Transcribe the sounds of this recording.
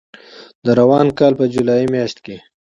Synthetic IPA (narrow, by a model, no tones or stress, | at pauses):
d̪əɾawɑːnkɑːlpəd͡ʒulɑːimjɑʃt̪ke